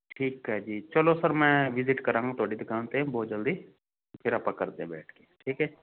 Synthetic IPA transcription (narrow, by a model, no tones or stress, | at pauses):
ʈʰiːkɦɛd͡ʒiːt͡ʃəlosəɾmɛ̃ːʋɪzɪʈkəɾãːŋɡt̪ʰoːɽid̪ɪkʰaːnt̪ẽbɔːt̪̚d͡ʒəld̪iː | pʰɪɾapãkəɾt̪eẽbɛ̰ːʈʰkeʈʰiːkɦɛː